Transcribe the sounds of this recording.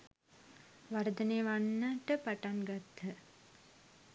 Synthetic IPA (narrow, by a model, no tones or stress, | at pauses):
ʋaɾəd̪əneːʋanːəʈəpaʈanɡat̪ːə